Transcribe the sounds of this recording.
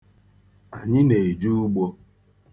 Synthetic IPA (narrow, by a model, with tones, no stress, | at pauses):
a˨ɲɪ˦ne˨e˨d͡ʒu˦ɡ͡bo˦˧